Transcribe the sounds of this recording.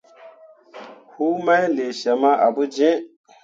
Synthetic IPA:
hu˦ma˦jle˨ʃa˨ma˦ʔa˨bu˦d͡ʒẽ˦

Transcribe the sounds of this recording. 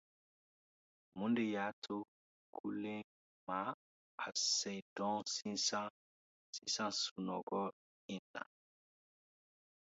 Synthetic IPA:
mu˦nde˨ja˦tʰo˦ | kʰu˦lẽ˦ | ma˨ | a˨sɛ˨jdɔ̃˦si˦sã˦ | sĩ˦sã˦nsu˨nɔ̰˨ɡɔ˦ | i˨nːa̰˨

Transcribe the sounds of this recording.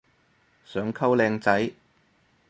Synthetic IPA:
sœː˨˥ŋkʰɐ˥wlɛː˧ŋt͡sɐ˨˥j

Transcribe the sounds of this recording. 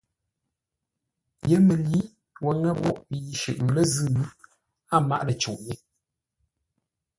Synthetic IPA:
jə˦mə˨li˨˦ | wɛ˨˦ŋə˦bɔ˦ʔpi˨˦ʃə̰˨ʔlə˦zɨ˦˨w | a˦˨ma̰˦ʔlə˨t͡ʃṵ˨ʔje˦

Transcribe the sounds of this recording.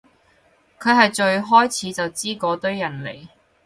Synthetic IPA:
kʰɵ˨˧ɥɦɐ˨jt͡ʃɵ˧ɥɦɔː˥jt͡sʰiː˨˥t͡sɐ˨wt͡siː˥kɔː˨˧t̪ɵ˥ɥːɐ˨˩nle˨˩j

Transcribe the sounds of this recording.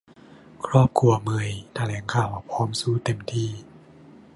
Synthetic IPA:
kʰɾɔː˥˩p̚kʰu˧˩ɐmɯ˧əjt̪ʰa˧lɛː˩˦nkʰaː˧˩wʔa˨˩pʰɔː˦˥msuː˧˥˩t̪e˧˩mt̪ʰiː˧˩

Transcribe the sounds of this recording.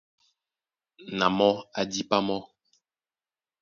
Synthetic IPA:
na˨mɔ˦a˨di˦pa˦mɔ˦

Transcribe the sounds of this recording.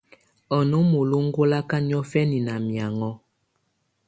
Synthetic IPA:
ɔ˨no˦mo˨lo˦ŋ̩˦ɡo˦la˦ka˦ɲ˦ɔ˦fɛ˦ni˨na˨mja˨ŋɔ˦

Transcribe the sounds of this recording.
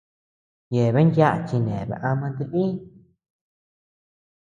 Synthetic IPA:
je˨βe˦nja˦ʔt͡ʃi˧nẽ˨βḛ˧˨ʔa˧mã˧t̪i˧βi˦

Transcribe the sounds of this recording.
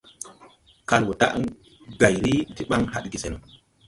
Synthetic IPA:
ka˦lwɔ˨ta̰˦ʔ | ɡa˨jɾi˦ti˦ɓa˦ŋha˦ɗɡi˨sɛ˨nɔ˨

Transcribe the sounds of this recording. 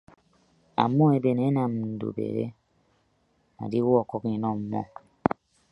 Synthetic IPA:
a̰˨m˦ɔ˦e˨be˨ne˨˦na˨m̩˨n̩˨do̰˨bḛ˨ɾḛ˦ | na̰˨di˦wo˦ɔ˦˧˨kɔ˦kĩ˨nɔ̃˦˨m̩˦mɔ̰˦

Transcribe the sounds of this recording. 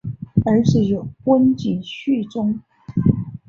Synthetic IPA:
ə˞˧˥ʂɻ̩˥˩jo˨˩ʊkwə˥nt͡ɕi˨˩nɕy˥˩ʈ͡ʂʊ˥ŋ

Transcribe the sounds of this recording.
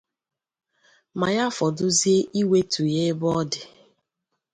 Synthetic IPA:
ma˨ja˦fɔ˨dʊ˦zi˦e˦ʔi˦we˦tʰu˨je˦bɔ˦dɪ˨

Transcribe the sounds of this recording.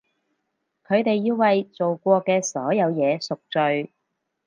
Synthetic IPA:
kʰɵ˨˧ɥt̪e˨jːiː˧wwɐ˨jt͡so˨wkʷɔː˧kɛː˧sɔː˨˥jɐ˨˧wjɛː˨˧sʊ˨k̚t͡ʃɵ˨ɥ

